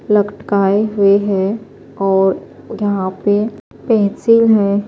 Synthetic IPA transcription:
ləkʈkaːeɦʊeɦɛ | ɔːɾ | jɐɦãpe | pɛɦt͡ʃilɦɛ̃ː

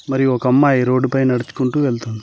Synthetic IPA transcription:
mɐɾijuɔkɐɐmːaːjiɾo̞ːɖːupɐjnɐɽit͡ʃu̥kuɳʈuːʋeɭt̪und̪i

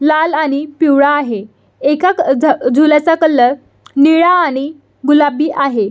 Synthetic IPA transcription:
lalaɽ̃ipiwɭaːɦe | ekad͡zʱulat͡sakəlːəɾ | niɭaːɽ̃i | ɡulabiːʔaɦe

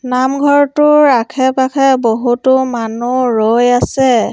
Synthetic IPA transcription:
namɡʱɔɹtʊɹakʰɛpakʰɛboɦutʊmanuɹojasɛ

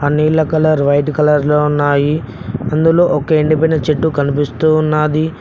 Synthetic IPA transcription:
ɐniːlɐkɐlɐɾʋɐjʈkɐlɐɾloːunːaːji | ɐnd̪ulo̞ːʔɔkeiɳɖip̬ɐɖɐt͡ʃeʈːukɐnipist̪unːaːd̪i

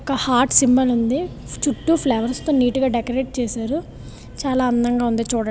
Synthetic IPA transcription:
ɔkɐhaːɾʈsimbɐlund̪i | t͡ʃuʈːupʰleːʋɐɾst̪oːniːʈuɡaːɖekɐɾeːʈ̚t͡ʃɛːsaːɾu | t͡ʃaːlaːɐnd̪ɐŋɡaːund̪eːt͡ʃuːɽɐ

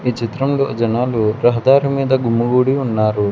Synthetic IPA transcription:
iːt͡ʃit̪ɾɐmlo̰ːd͡ʒɐnaːluɾɐɦɐd̪aːɾimiːd̪ɐɡumːuɡuːɽiunːaːɾu

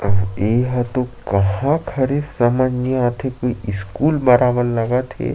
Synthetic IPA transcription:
əʋeːɦɐt̪okɐɦãkʰɐɾesɐmad͡ʒnijat̪ʰekoiiskuːlmɐɾaːʋənlɐɡat̪ʰḛ

